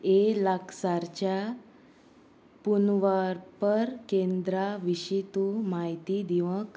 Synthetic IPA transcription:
elaksaɾt͡ɕja | punʋaɾpəɾkend̪ɾaʋiɕit̪umaɦit̪id̪iʋək

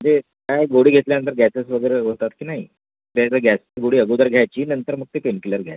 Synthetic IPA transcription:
əd͡ʑe | kajɡoɽiːɡʱet̪ljanənt̪əɾɡʱæsesʋəɡəjɾeɦot̪at̪kiːnaɦi | t̪jat͡saɡʱæsaɡoɽiːəɡud̪əɾɡʱjajt͡ɕiːnənt̪əɾm̤əɡ̚t̪epenkiləɾɡʱja̰j

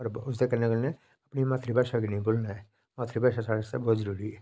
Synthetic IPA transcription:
ɔɾbʊs̬d̪ekɐɾnekelne | ɐpnimaːt̪ɾibʱaːʃakinɐɦĩboːlnaɛː | maːt̪ʰɾibaːʃasaɾssabɔːʊt̪zəɾuːɾiɛː

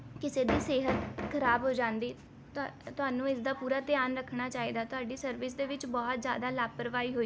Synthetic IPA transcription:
kɪseːd̪iːseːɦət̪kʰəɾaːbɦoːd͡ʒãːnd̪iː | t̪ʊɦaːnũːɪsd̪aːpuːɾaːt̪ɪjaːnɾəkʰnaːt͡ʃaːiːd̪aːt̪ʊaːɖiːsəɾʋɪs̬d̪eːʋɪt͡ʃbɔːt̪zja̰ːd̪aːlaːpəɾʋaːiːɦoːi

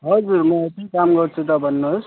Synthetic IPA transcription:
ɦʌd͡zuɾmʌepnikamɡʌɾt͡sʰut̪ʌbʱʌnːos

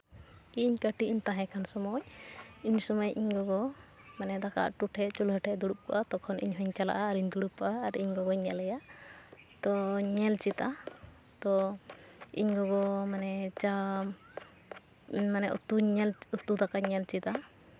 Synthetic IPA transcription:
iɲkəʈiiɲt̪ãɦɛ̃kʰansɔmɔjiɲsɔmɔjʔiɲɡɔɡɔ | manɛd̪aka̰ʔʈuʈʰɛʔt͡ʃulɦəʈʰɛd̪uɽup̚kɔ̰ʔat̪ɔkʰɔnʔḭɲɦɔɲt͡ʃala̰ʔaːɾiɲd̪uɽupaːɾiɲɡɔɡɔɲɛlɛja | t̪ɔɲɛlt͡ʃit̪a | t̪ɔ | ḭɲɡɔɡɔmanɛt͡ʃa | manɛʔt̪uɲɛlut̪ud̪akaɲɛlt͡ʃit̪a

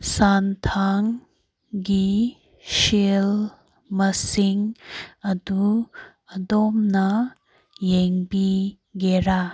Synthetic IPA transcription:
sant̪ʰaŋ | ɡi | ɕel | mɐsiŋɐd̪u | ɐd̪ɔmnɐ | jeŋpi | ɡeɾa

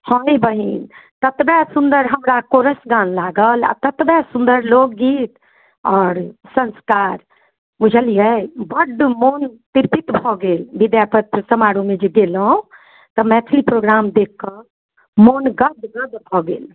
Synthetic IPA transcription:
hɔibəɦint̪ət̪bɛsund̪əɾɦəmɾakoɾəsɡanlaɡəla̰t̪ət̪bɛsũnd̪əɾlokɡit̪ | ɔːɾsənskaɾ | mud͡ʒʱəlijɛbəɖmont̪iɾpit̪bʱɔɡelbid̪japət̪̚ɾsəmaɽumed͡ʒeɡelõ | t̪ɔmɛt̪ʰlipɾoɡɾamd̪ekːə | monɡəd̪ɡəd̪bʱɔɡel

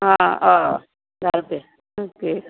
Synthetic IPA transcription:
ɦãa | d̪ʱaɾpe | oke

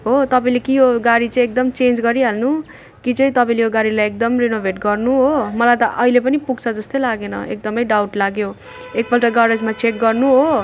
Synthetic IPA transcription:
ɦot̪ʌpaĩlekijoɡaɽit͡sʌ̃ĩek̚d̪ʌmt͡send͡zɡʌɾiɦalnu | kit͡sʌĩt̪ʌpaĩlejoɡaɽilajek̚d̪ʌmrinobʱeʈɡʌrnuɦomʌlajt̪ʌʔʌilepʌnipuɡt͡sʰʌd͡zʌst̪ojlaɡenʌ̰ḛk̚d̪ʌmʌjɖawʈlaɡjo | ek̚bʌlʈʌɡʌɾed͡zmat͡sek̚ɡʌrnuɦo

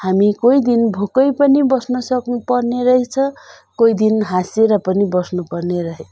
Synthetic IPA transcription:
hamikojd̪inbʱokʌjpʌnibʌsnʌsʌknupʌrneɾʌɦet͡sʰʌ | kojd̪inɦãseɾʌpʌnibʌsnupʌrneɾʌɦe

